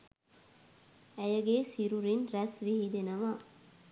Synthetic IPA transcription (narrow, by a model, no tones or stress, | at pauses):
æjəɡeːsiɾuɾinɾæsʋiɦid̪enəʋa